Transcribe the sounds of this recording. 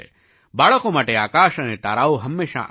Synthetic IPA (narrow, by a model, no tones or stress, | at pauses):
baːɭəkõmaːʈeaːkaːʃɐnet̪a̰ːɾaːoɦɐmːeːʃa̰ʔ